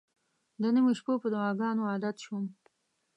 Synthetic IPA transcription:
d̪ənəmeʃpopəd̪aɑːɡɑnoɑd̪at̪ʃm

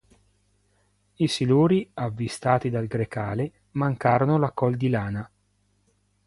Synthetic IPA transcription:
isiluːɾiavːist̪aːt̪id̪alɡɾekaːle | maŋkaːɾonolakɔld̪ilaːna

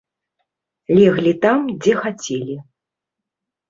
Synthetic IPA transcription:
lʲɛɣlʲit̪amd͡zʲɛxat͡sʲelʲi

